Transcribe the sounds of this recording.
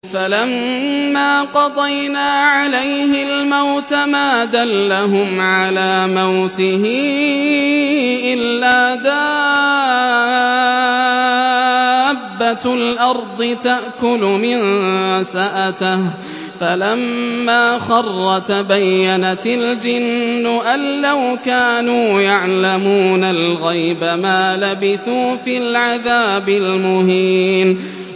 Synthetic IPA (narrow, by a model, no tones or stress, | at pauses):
falamːaːqɑd̪ˤɑjnaːʕalajhɪlmawt̪amaːd̪alːaɦʊmʕalaːmawt̪ɪɦɪ | ʔɪlːaːd̪aː | bːalʔɑɾˤd̪ˤɨt̪aʔkʊlʊmɪnsaʔat̪ɪh | falamːaːxɑrˤːɑt̪bajːanat̪ald͡ʒɪnːʊʔalːawkaːnuːjaʕlamuːnalɣajbamaːlabɪθuːfiːlʕaðaːbɪlmʊhiːn